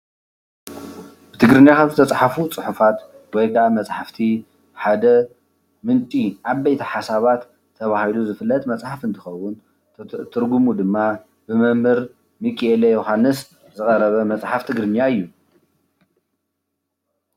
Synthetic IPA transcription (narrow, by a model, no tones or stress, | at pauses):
bɨt̪ʰɨɡɾɨnjakʰat̪ɨt̪ʰɐt͡sʼħafut͡sʼɨħufat̪ | wɔjɡamɐt͡sʼħaft̪ʰi | ħad̪ɐ | mɨnt͡ʃʼiʔaβːejt̪ʰiħasaβat̪ʰː | ɐβahiluzɨfɨlːɐt̪ʼmɐt͡sʼħafɨnt̪ʰɨ̥xɐwʊn | t̪ʰɨɾɡumud̪ɨmːa | bɨmɨmhɨɾ | mikʼielejoɦanːɨs | zɨɣʼɐɾɐβɐmɐt͡sʼħaft̪ʰɨɡɾɨnijaɨjːu